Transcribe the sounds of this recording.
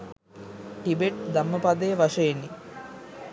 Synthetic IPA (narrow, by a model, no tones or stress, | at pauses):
ʈibeʈd̪ɐmːəpad̪ejɐʋɐʂɐjenːi